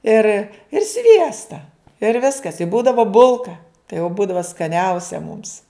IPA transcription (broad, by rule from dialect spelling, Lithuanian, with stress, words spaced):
ɪr ɪr ˈsʲʋʲiɛstɐ ɪr ˈʋʲɪskɐs ɪ ˈbuːdɐʋɐ ˈbʊlˠkɐ tɐɪ jɛʊ ˈbuːdɐʋɐ skɐˈnʲɛʊsʲɛ mʊms